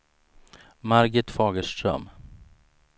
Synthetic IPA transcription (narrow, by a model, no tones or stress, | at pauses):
maɾɡəʈ̪fɑːɡəʂt̪ɾœ̰m